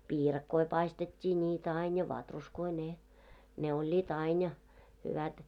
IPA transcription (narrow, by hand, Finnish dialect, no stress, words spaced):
piːrɑkːoi pɑistetʲːiː nʲiːtæ ɑin jɑ ʋɑtruskoi ne ne olʲːiːt ɑin jɑ hyʋæt